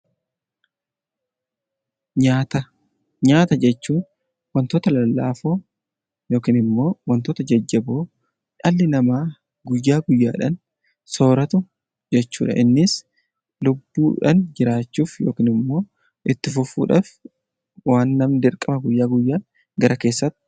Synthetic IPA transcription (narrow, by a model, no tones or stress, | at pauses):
ɲat̪ɐ | ɲaːt̪ɐd͡ʒɛt͡ʃːuːn | wɐnt̪oːt̪ɐlɐlːa̰ːfoː | jo̞ːkiːnɪmːo̞ːwɐnt̪oːt̪ɐd͡ʒɐd͡ʒːɐboː | t͡ʃʼɐlːɪnɐmaː | ɡʊjːaːɡʊjːaːᶑɐn | so̞ːɾɐt̪ʊ | d͡ʒɛt͡ʃːuːᶑɐ̰ʔɪnːɪs | lʊbːuːᶑɐnd͡ʒɪɾaːt͡ʃːuːfjo̞̰ːkiːnɪmːo̞ː | ʔɪt̪ːɪfʊfːṵːᶑɐf | waːnːɐmd̪ɪɾkʼɐmɐɡʊjːaːɡʊjːaːn | ɡɐɾɐke̞ːsːɐt̪ːɪ